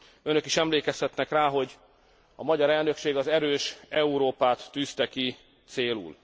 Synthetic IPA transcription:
ø̞nø̞kiʃɛmleːkɛst̪ɛt̪nɛkraːɦo̞ɟ | ɒmɒɟɒɾɛlnø̞kʃeːɡɒzɛɾøːʃɛuɾoːpaːt̪ːyːst̪ɛki | t̪seːlṵːl

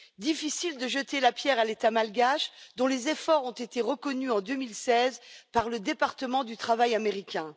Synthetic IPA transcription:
d̪ifisild̪əʒət̪elapjɛʁalet̪amalɡaʃd̪ɔ̃lezefɔʁɔ̃t̪et̪eʁəkɔnyɑ̃d̪ømilsɛzpaʁləd̪epaʁt̪əmɑ̃d̪yt̪χavajameʁikʲɛ̃

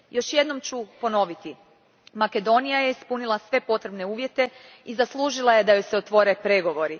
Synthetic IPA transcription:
jo̞ʃje̞d̪no̞mt͡ɕupo̞no̞ʋit̪i | make̞d̪o̞nijaje̞ispunilˠasʋe̞po̞t̪ɾe̞bne̞uːʋje̞t̪e̞ | izaslˠuːʒilˠaje̞d̪ajojseot̪ʋo̞ːɾe̞pɾe̞ɡo̞ʋo̞ɾi

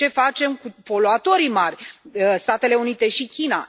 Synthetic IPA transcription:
e̞fat͡ʃe̞mkupo̞loat̪o̞ɾimarʲst̪at̪e̞le̞unit̪e̞ʃikʲina̰

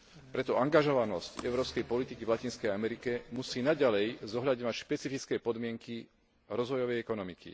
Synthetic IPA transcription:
pɾɛt̪ɔaŋɡaʒɔʋanɔscɛ̰ʊɾɔːpskɛjpɔlit̪ikiʋlacinskɛjamɛɾikɛmusiːnaɟalɛjzɔɦlʎaɟɲɔʋacʃpɛt͡sifit͡skɛːpɔd̪mɪɛŋki | ɾɔzʋɔjɔʋɛjɛkɔnɔmikḭ

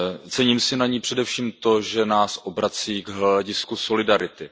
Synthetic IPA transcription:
t͡sɛɲiːmsɪnaɲiːpr̝̥ɛdɛfʃiːmt̪o̞ʒɛnaːsʔo̞bɾat͡siːɡɦlaɟɪskuso̞lɪdaɾɪt̪ɪ

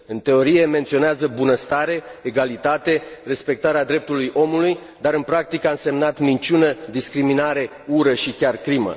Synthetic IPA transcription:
ɨnt̪e̞o̞ɾije̞me̞nt̪sio̞neazəbunəst̪aɾe̞ːɡalit̪at̪e̞re̞spe̞k̚t̪aɾead̪ɾe̞p̚t̪ulujʔo̞muluj | d̪aɾɨnpɾak̚t̪ikəanse̞mnat̪mint͡ʃunəd̪iskɾiminaɾe̞ | uɾəʃikʲarkɾimə̰

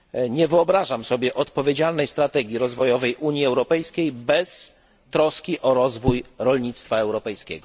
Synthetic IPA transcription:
ɲɛvɘɔbɾaʐamsɔbʲjɛʔɔt̪pɔvʲjed͡ʑalnɛjst̪ɾat̪ɛɡʲjiɾɔzvɔjɔvɛjʔuɲjiɛwɾɔpɛjskʲejbɛs | t̪ɾɔskʲiʔɔɾɔzvujɾɔlɲit̪st̪faɛwɾɔpɛjskʲɛ̰ɡɔ

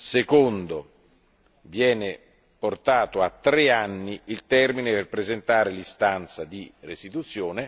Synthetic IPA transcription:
sekond̪o | vjɛːne | port̪aːt̪oat̪ːɾeanːiilt̪ɛrmineperpɾezent̪aːɾelist̪ant̪sad̪irest̪it̪ut̪sːjoːne

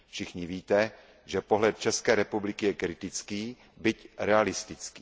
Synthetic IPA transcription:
fʃɪxɲɪviːt̪ɛ | ʒɛpoɦlɛt̪̚t͡ʃɛskɛːɾɛpublɪkɪjɛkɾɪt̪ɪt͡skiː | bɪcɾɛalɪst̪ɪt͡ski̥ː

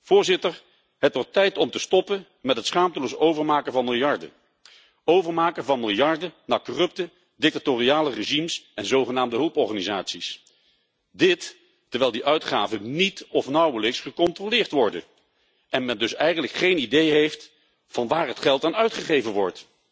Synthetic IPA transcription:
v̥ʊːɹzɪtəɹ | ɦətʋɔɹtːɛjtɔmtəstɔpən | mɛtɦətsχaːmtəlowsowvəɹmaːkəvɑnmɪlˠjɑɹdə̰ | owvəɹmaːkəvɑnmɪlˠjɑɹdənaːkɔrɵp̚tə | dɪk̚tatoriaːləreʒimsɛnzowχənaːmdəɦɵlˠpɔɹχaːnizaːtsis | dɪt | tɛɹʋɛjlˠdiʔœɥtχaːvənitɔfnɑwələksχəkɔntrolɪːɹtʋɔɹdə̰ | ʔɛnmɛndɵsɛjχənləkχejnidejɦejft | fɑnʋaːɹɦətχɛlˠtaːnœɥtχəχejvənʋɔɹt

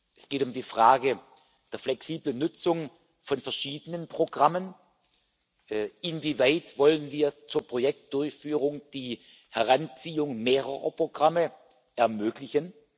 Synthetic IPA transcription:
ʔɛsɡ̥eːtʊmdiːfʁ̥aːɡə | d̥eːɐflɛksiːblənʊt͡sʊŋ | fɔnfɛɐʃiːdənənpʁ̥oɡʁamən | ɪnviːvaɪtvɔlənviːɐt͡suːɐpʁ̥ojɛk̚t̚d̥ʊɐçfyːʁʊŋd̥iː | hɛʁant͡siːʊŋmeːʁəʁɐ̰pʁ̥oɡ̥ʁamə | ʔɛɐmøːklɪçən

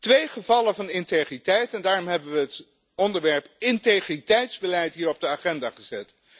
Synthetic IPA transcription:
tʋejχəvɑləvɑnɪntejχritɛjtɛndaːrɔmɦɛbəʋəɦət | ɔndəɹʋɛɹpɪntejχritɛjtzbəlɛjtɦiːɹɔb̚dəaːχɛndaːχəzɛt

